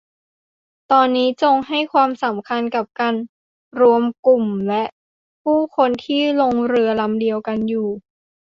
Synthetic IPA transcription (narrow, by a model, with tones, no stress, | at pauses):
t̪ɔː˧nːiː˦˥t͡ɕo˧ŋɦa˥˩jkʰwaː˧msa˩˦mkʰa˧nka˨˩p̚kaː˧n | ɾu˧əmku˨˩mlɛ˦˥ʔ | pʰuː˥˩kʰo˧nt̪ʰiː˥˩lo˧ŋɾɯ˧ɐla˧˥mdi˧əwka˧njuː˨˩